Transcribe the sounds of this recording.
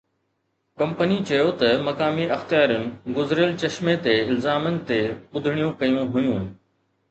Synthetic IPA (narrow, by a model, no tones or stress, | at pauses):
kɐ̃mpənit͡ɕɐjot̪ɐmɐkaːmiʔɐxt̪ijaːɾənɪ̆ɡʊzɾəlt͡ɕɐʃmet̪eɪlzaːmənɪ̆t̪eʊd̪ʱɪɽ̃ijũkɐjũɦʊjũn̆